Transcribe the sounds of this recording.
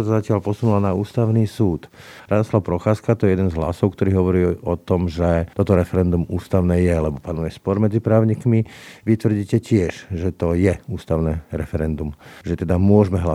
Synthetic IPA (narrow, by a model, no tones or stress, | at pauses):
sazacɪalpɔsunulanauːst̪aʊniːsuːt̪ɾad̪ɔslaʊpɾɔxaːskat̪ɔjɛjɛd̪ɛnzɦla̰sɔʊkt̪ɔɾiːɦɔʋɔɾiɔt̪ɔmʒɛt̪ɔt̪ɔɾɛfɛɾɛnd̪umuːst̪aʊnɛːjɛlɛbɔpanujɛspɔɾmɛd͡zipɾaːʊɲiːkmiʋit̪ʋr̩ɟiːcɛcɪɛʒʒɛt̪ɔjɛuːst̪aʊnɛɾɛ̰fɛɾɛnd̪umʒɛt̪ɛd̪amʊɔʒmɛɦla